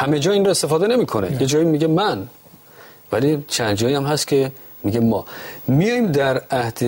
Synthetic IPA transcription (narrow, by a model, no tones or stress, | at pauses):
hæmed͡ʒɒːinroest̪efɒːd̪e̞ne̞miːkʰonḛjed͡ʒɒːjimiɡemæn | vælit͡ʃʰænd̪d͡ʒɒːjiæmhæst̪kʰe̞ | miːɡemɒːmijɒjmd̪æɾæhd̪̥e